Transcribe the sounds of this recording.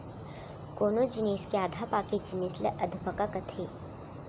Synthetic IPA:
koːnod͡ʒineːskeaːd̪ʱaːpaːkid͡ʒinɪslə̰ʔɐd̪ʱpəkakɐt̪ʰeː

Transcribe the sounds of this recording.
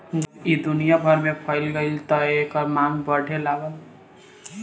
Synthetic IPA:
id̪unijabʱʌɾmepʰʌjlɡʌjlt̪ʌekʌmambʌɽʰʱelaɡʌ

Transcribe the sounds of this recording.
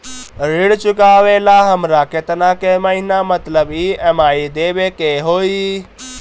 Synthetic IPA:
ɾiɽt͡ʃukaʋelaɦəmɾaket̪nakeməɦinamət̪ləbiemaid̪ebekeɦoi

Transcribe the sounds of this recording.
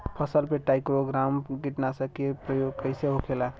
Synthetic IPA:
pʰəsəlpeʈaɪkɾoɡɾamɡiʈnasəkepɾəjoɡkəɪseɦokʰela

